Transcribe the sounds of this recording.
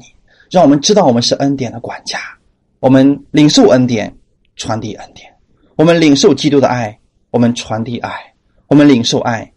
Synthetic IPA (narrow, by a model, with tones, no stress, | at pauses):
i˨˩ | ɻa˥˩ŋwɔ˨˩mə˦nʈ͡ʂɻ̩̬˥ɑ˥˩ʊwɔ˨˩mə˦nʂ̬ɻ̩˥˩ʔə˥nt̪jɛ˨˩nd̪ə˦kwa̰˨˩nt͡ɕja˥ | wɔ˨˩mə˦nli˨˩ŋʂo˥˩ʊʔə˥nt̪jɛ̰˨˩˦n | ʈ͡ʂʰwa˧˥nt̪i˥˩ʔə˥nt̪jɛ˨˩˦n | wɔ˨˩mə˦nli˨˩ŋʂo˥˩ʊt͡ɕi˥t̪u˥d̪ə̰˧ʔa˥˩ɪ | wɔ˨˩mə˦nʈ͡ʂʰwa˧˥nt̪i˥˧ʔa˥˩ɪ | wɔ˨˩mə˦nli˨˩ŋʂo˥˧ʊʔa˥˩ɪ